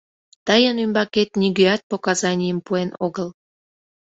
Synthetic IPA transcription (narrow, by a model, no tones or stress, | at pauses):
t̪əjənymbɑket̪nʲiɡøɑt̪̚pokɑzɑnʲijəmpuenoɣəl